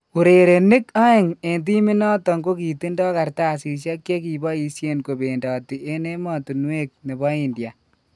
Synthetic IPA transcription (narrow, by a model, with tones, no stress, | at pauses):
u˨ɾe˨ɾe˨nɪ˦ka˦ɪ˨ŋe˨nt̬i˦mi˦nɔ˦tɔ˨ŋɡo˦ki˨ti˦ndɔ˦ka˨ɾta˦˨si˨ʃ̬a˦kje˦k̬i˨bɔ˦i˨sje˦nko˨be˨ndɔ˨ti˨ʔe˦ne˦mɔ˨tu˨nwe˦k̚ne˨bɔ˦i˨ndja˨